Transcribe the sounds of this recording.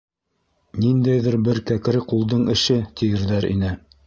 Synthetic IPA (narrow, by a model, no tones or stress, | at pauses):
nind̪æjðɘɾbɘɾkæk̆ɾɘqulˠd̪ɤɴɘ̆ʃɘt̪ʰijɘ̆ɾðæɾḭnɘ